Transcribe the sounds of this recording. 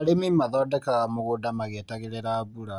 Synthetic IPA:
aɾemimaðɔːdɛkaɣamoɣodamaɣetaɣeɾeɾaβuɾa

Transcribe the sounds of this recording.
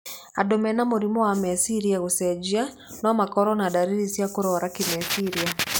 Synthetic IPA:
adɔmɛnamuɾimɔwamɛsiɾiaɣusɛd͡ʒia | nɔmakɔɾɔnadaɾiɾisjakuɾɔɾakimɛsiɾia

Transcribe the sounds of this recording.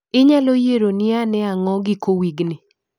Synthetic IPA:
ɪɲalojeɾonɪanɛaŋɔɡɪkowiɡnɪ

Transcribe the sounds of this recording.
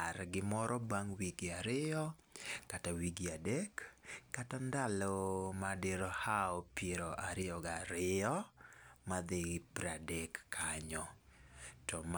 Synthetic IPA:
arɡɪmɔɾʔɔbaŋwiɡɪaɾɪɔ | katawiɡiadɛkːatandalɔmadeɾɔhaɔpeɾɔʔaɾɪɔɡaɾɪɔ | mad̪eɡpɾadɛkːʰaɲɔ | tɔm

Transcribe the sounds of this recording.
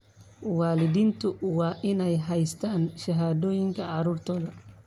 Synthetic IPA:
wɑːlɪðiːnt̪ʰʊwɑːʔɪnɛjɦɛjst̪ʰaːnʃɐɦaːðɔːjɪŋkʰɐʕɑɾuːrt̪ʰɔːðɐ

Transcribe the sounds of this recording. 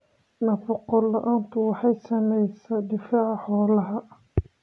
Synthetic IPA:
nɐbɔqɔlːɐʔaːnt̪ʰʊwɑħɑjsɐmɛjsɐd̪ɪfaːʕɑħɔːlɐɦɐ

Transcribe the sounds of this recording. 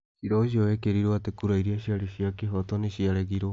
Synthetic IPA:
siɾous̬ioekeɾiɾoat̪ekuɾaiɾiaʃiaɾesiakeɦot̪onesiaɾeɡiɾo

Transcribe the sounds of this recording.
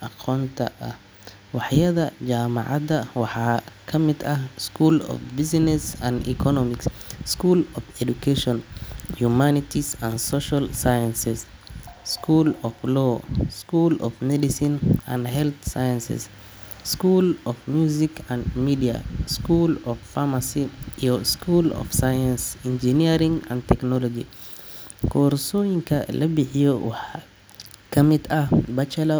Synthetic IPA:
ʔɑqʰɔːnt̪ʰɐ̰ʔɐh | wɑħjɐðɐd͡ʒaːmɑ̰ʕɑd̪ɐwɑħɑːkʰɐmɪd̪ɐhskʰuːlɔ̰fbɪsnɛsɐnḭkʰɔnɔmɪksskuːlɔfɛd̪ukʰɛʃɔnhumanɪt̪ʰisɐnsɔʃɐlsajɐnsɪsskʰuːlɔflɔːskuːlɔ̰fmɛdɪsɪnã̰nhɛlt̪sajansɪ̰s | skuːlɔfmjuzikʰãnmidia̰skulɔffamasijɔskʰuːlɔ̰fsajansind͡ʒiniɾĩŋã̰nt̪ʰɛknɔlɔd͡ʒḭ | kʰɔːɾsɔjiŋkʰɐlɐbɪħijɔwɑħ | kʰɐmɪd̪ɐhbɐt͡ʃɛlɐ

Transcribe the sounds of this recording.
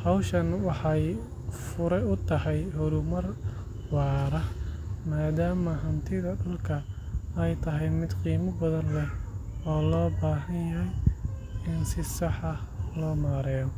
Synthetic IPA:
hɑwʃɐnwɑħɑj | fʊɾɛʊt̪ʰɐhɛjhʊɾʊmɐr | wɑːɾɐhmaːd̪aːmɐɦɐnt̪ʰɪðɐɖʊlkʰɐ | ɛjt̪ʰɐɦɛjmɪd̪qiːmɐbɐðɐnlɛhɔːlɔːbaːɦɐnjɐɦɛj | ɪnsɪsɑħɑlɔːmaːɾɛːjɔ

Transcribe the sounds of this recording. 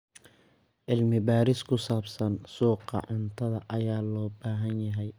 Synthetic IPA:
ʔɪlmɪbaːɾɪskʰʊsaːbsɐnsuːqɑ̰ʕʊnt̪ʰɐðɐʔɐjaːlɔːbaːɦɐnjɐɦɛj

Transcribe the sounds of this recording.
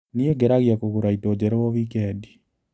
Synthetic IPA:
nieɡeɾaɣjakoɣuɾaitod͡ʑɛɾɛwɔβikɛdi̥

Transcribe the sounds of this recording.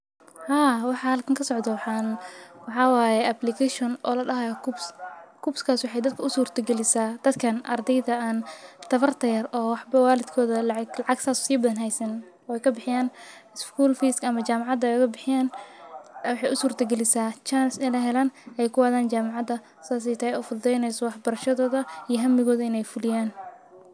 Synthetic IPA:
haːwɑħɑhɐlkʰɐŋkʰɐsɔʕd̪ɐw | wɑħɑwaːjɛʔɐblɪkʰɛʃɔnʔɔ̰ːlɐɖɐɦɐjɔkʰubskʰubskʰaːswʊħɑjd̪ɐd̪kʰɐʊsuːrt̪ʰɐɡɛlɪsaːd̪̥ɐd̪kʰɐnʔɐ̰rd̪ɛjðɐaːnt̪ʰɐβɐrt̪ʰɐjɐrɔːwɑħbɐwaːlɪd̪kʰɔːðɐlɑʕɑɡlɑʕɑɡsʰaːssiːbɐðɐnɦɛjsɐn | ɔɛjkʰɐbɪħɪjaːnɪskʰuːlfiːskɐmɐt͡ʃaːmɑʕɑd̪ɐkʰɐbɪħɪjaːn | wɑħɑjʊsuːrt̪ʰɐɡɛlɪsaːt͡ʃansɪlɐɦɛlaːnʔɛjkʰʊwaːðaːnt͡ʃaːmɑʕɑd̪ɐ | sɪaːs̬ɛjt̪ʰɐhɛjɔːfʊd̪ɛjnɛjsɔwɑħbɐɾɐʃɐðɔːðɐijɞɦɐmɪɣɔːðɐɪnɛjfʊlɪjaːn

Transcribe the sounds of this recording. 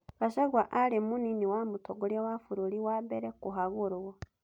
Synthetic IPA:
βaʃaɡwaʔalemuniniwamutoɡolewafuɾuliwabeɾekuɦaɣuɾuɣo

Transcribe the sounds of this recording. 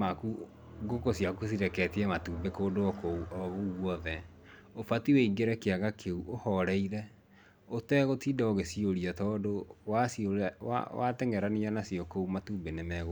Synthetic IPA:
maku | ɡokosjakusiɾɛkɛtiɛmatuːmbekoːdoɔkoɔɣoɣwɔðɛ | ofatiweiɡeɾɛkeaɣakʰeuʔohɔɾɛiɾɛ | otɛɣotidaoɣesioɾiatɔdowasioɾwa̰wa̰tɛŋɛɾanianasiɔkoumatuːmbenemɛɣo

